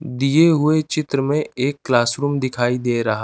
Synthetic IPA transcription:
d̪ieɦʊet͡ʃɪt̪ɾəmẽʔeːkːlaːsɾuːmd̪ɪkʰaːid̪eːɾɐɦa

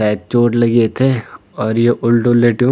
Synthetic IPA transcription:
aːt̪̚t͡ʃoːʈlɐɡiet̪ʰeɔːɾjeʔʊlʈõleːʈijõ

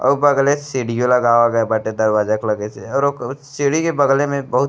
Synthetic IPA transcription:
ɔ̰ːbəɡlesiɽijõlɐɡaːʋaɡəebəʈed̪əɾʋaːd͡ʒəkləɡeseɔːɾsiɽikebəɡlemẽbəɦʊt̪

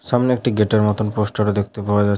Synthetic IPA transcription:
ʃamneek̚ʈiɡeʈeɾmɔt̪onposʈoɾad̪ek̚ʰt̪epaoad͡ʑa

